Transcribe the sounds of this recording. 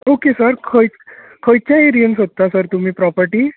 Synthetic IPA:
okesəɾkʰəj | kʰəjt͡ɕjaeɾiənsɦot̪ːasəɾt̪um̤iːpɾɔpəɾʈiː

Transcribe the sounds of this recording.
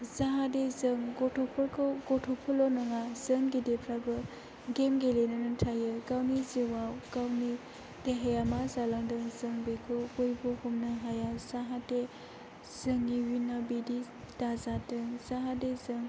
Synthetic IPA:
zaɦadezɯŋɡɔtʰɔpʰɔɾkʰɡɔtʰɔpʰɔlɔnɯŋazəŋɡidepʰɾabɯ | ɡemɡelenɯnɯntʰajɯkawniziwawkawni | deɦejamazalaŋdɯŋzɯŋbekʰɯkojbɔhumnɯɦajazaɦate | z̥ɯŋiwinabidi | tazadɯŋzaɦadezɯŋ

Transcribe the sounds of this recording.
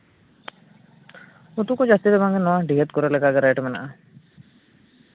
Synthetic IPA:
ut̪ukɔd͡ʒast̪id̪ɛbaŋɡɛnɔwaɖʱiɦət̪̚kɔɾɛlɛɡaɡɛɾajʈmɛna̰ʔa

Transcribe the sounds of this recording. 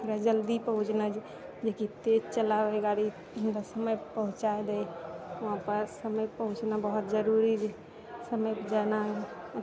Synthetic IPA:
pʰiɾad͡ʒəld̪ipəɦũt͡ʃnad͡ʒ | d͡ʒekit̪ed͡ʒt͡ʃəlabeɡaɽi | t̪əsəməjpəɦũt͡ʃaed̪ɛjəɦãpəɾsəməjpəɦũt͡ʃnabəɦut̪d͡ʒəɾuɾid͡ʒe | səməjd͡ʒana

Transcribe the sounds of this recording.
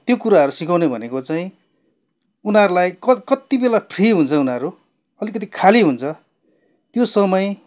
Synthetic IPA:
t̪jokuɾaʌɾusikawnebʱʌnekot͡saĩ | unɦaɾulajkʌkʌt̪ibelapʰriɦunt͡sʰʌunaɾu | ʌlikʌt̪̬ikʰaliɦunt͡sʰʌ | t̪josʌmʌj

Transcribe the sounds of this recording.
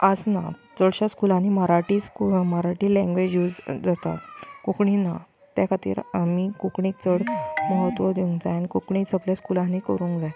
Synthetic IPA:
ad͡zna̰ | t͡səɽɕaskulãnːiməɾaʈiːskumaɾaʈiːlɛ̃ŋɡʋed͡ʑjuːd͡zd͡zat̪a̰t̪kukɳina | t̪jakʰat̪ḭːɾamikukɳiːk̚t͡səɽmɔɦət̪ʋəd̪eũŋkd͡zajanikukɳĩsəɡlaskulãnikəɾũːŋkd͡zaj

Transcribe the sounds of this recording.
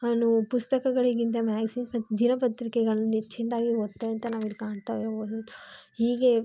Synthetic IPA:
ɐnupust̪ɐkɐɡɐɭiɡint̪̬ɐmaːɡɐsiːmpɐd̪inɐpɐt̪ɾikɛɡɐɭɐnːet͡ʃːind̪aːɡiot̪ːɐɐnt̪ɐnaːʋilkaːɳt̪aːʋeoːd̪uhiːɡe

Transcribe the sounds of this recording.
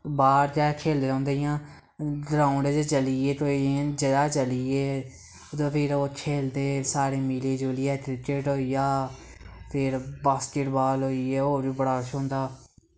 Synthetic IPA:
baːɾd͡ʒaːkʰeːld̪eːõːnd̪ejãː | d̪əɾãːʊɖed͡ʒet͡ʃəlieːʈoːiẽːd͡ʒəd̪aːt͡ʃəlieː | t̪ːpʰɪɾoːkʰeːld̪eːsaːɾeːmileːd͡ʒoːlɪɛːt̪ɾɪkeːʈɦoːijaː | pʰɪɾbaːskeːʈbaːlɦoːieːoːʋiːbəɽaːʃõːnd̪aː

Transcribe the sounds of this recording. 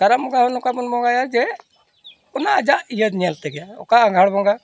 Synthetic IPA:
kaɾamɔɡaɦɔnɔkamunbɔŋɡajaɾd͡ʒɛ | ɔnad͡ʒaʔijəd̪ɲəlt̪ɛɡɛjaɔkaãŋɡʱaɽbɔŋɡa

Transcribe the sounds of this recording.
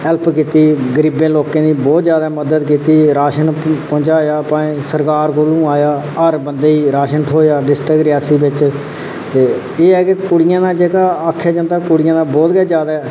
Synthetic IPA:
ɛlpkiːt̪iːɡəɾiːbẽːloːkẽːd̪iːbɔːt̪d͡ʒjaːd̪aːməd̪əd̪k̬iːt̪iːɾaːʃənpɔ̃ːt͡ʃaːjaːpãːsəɾkaːɾkoːlũːaːjaː | əɾbənd̪eːiːɾaːʃənt̪ʰoːjaːɖɪsʈɾəkɾɪjaːsiːbɪt͡ʃ | t̪eː | eːɛːkekʊɽɪjãːnaːd͡ʒeːkaːaːkʰːjaːd͡ʒə̃nd̪aːkʊɽɪjãːd̪aːbɔːt̪ɡɛːd͡ʒjaːd̪aː

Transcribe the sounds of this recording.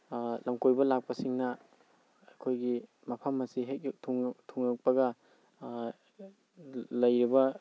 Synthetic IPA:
lɐmkojbɐlak̚pɐsiŋnɐ | ɐjkʰojɡi | mɐpʰɐmɐsiɦek̚k̚tʰuŋtʰuŋjak̚pɐɡɐ | lɐjɾibɐ

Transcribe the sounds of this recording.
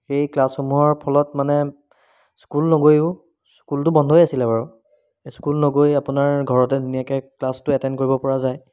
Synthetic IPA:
xejklasxomuɦɔɹpʰɔlɔtmanɛ | skulnɔɡojʊ | skultʊbɔndʱojasilɛbaɹɔ | skulnoɡojapʊnaɹɡʱɔɹɔtɛdunijakɛklastʊɛtɛnkoɹibɔpɔɹazaj

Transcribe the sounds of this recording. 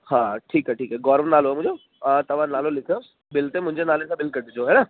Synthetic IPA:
hãːʈʰiːkɦɛʈʰiːkɦɛɡɔːɾʋnaːloɦɛmʊ̃d͡ʒo | ət̪ɐʋ̤ãnaːlolɪkʰo | bɪlt̪ẽmʊ̃ɪ̃ɲd͡ʑenaːlẽsãbɪlkəɾd̪ed͡ʒoɦɛːna

